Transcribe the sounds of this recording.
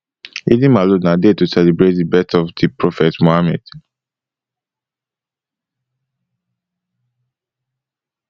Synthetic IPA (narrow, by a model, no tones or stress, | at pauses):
idĩmalonãdetusɛlibɹet̚dibɛstɔfdipɹɔfɛtmohamɛ̰d̥